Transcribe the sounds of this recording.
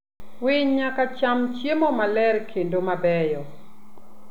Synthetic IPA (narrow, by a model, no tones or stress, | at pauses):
wɪɲɲakat͡ʃamt͡ʃjemɔmalɛɾkʰendomabɛjɔ